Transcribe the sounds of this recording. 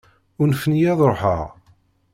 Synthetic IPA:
ʊnfənjæðˤɾoħə̰ʁ

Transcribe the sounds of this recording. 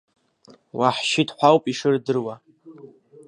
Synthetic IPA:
wʔaħʃɪtʰʼħʷawpʼiʂɨrdɨrwa

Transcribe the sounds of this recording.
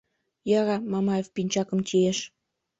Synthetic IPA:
jɑɾɑmɑmɑjefpinʲt͡ɕɑkə̆mt͡ɕieʃ

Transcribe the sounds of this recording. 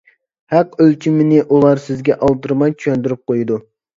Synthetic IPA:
hɛqølt͡ʃʰimɪnɪʔulˠɑɾsɪzɡʲɛʔɑlˠd̪ɨɾmɑjt͡ʃʰywɛnd̪yɾyp̚qojud̪u

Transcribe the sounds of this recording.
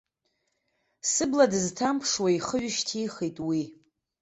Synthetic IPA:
sɨbladɨztʰampʰʂwaiχəɥɪʃtʰijχejtʼwi

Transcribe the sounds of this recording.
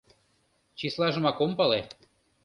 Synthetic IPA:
t͡ɕislɑʒə̆mɑkompɑle

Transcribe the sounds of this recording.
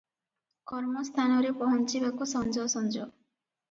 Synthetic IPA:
kɔɾmɔst̪ʰanɔɾepɔɦɔnt͡ʃibakusɔnd͡ʒɔsɔnd͡ʒɔ

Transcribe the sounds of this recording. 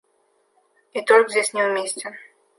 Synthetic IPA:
it̪olʲkzʲdʲesʲnʲɪvmʲesʲtʲɪ

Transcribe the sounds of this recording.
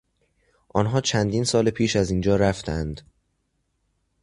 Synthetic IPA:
ʔɒnɦɒːt͡ʃʰænd̪iːnsɒːlepʰiːʃæzind͡ʒɒːɾæft̪ʰænd̪

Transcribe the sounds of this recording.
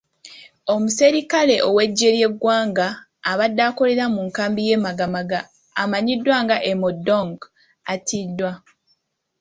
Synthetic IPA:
o̞muse̞ɾikale̞ʔo̞we̞ɟːe̞ɾje̞ɡwaːŋɡaː | βadːaːko̞le̞ɾamuŋkaːmbije̞ːmaɡamaɡaː | maɲidːwaŋɡaʔemodoŋɡ | atʰidːwa

